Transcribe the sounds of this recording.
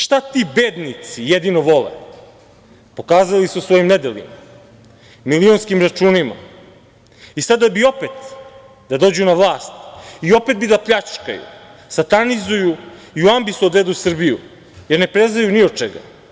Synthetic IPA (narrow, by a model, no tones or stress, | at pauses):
ʃt̪at̪ibeːd̪nit̪sijed̪inoʋo̞lḛ | po̞kaːzalisusʋo̞jimne̞d̪elʲḭma | milio̞nskimɾat͡ʃuːnima̰ | isad̪abio̞pet̪ | d̪ad̪o̞ːd͡ʑunaʋlˠaːst̪io̞pet̪̚bid̪apʎat͡ʃka̰jṵ | sat̪anizuju | iuambisuod̪ʋed̪usr̩biju | jeɾne̞pɾeznajuniot͡ʃeɡa̰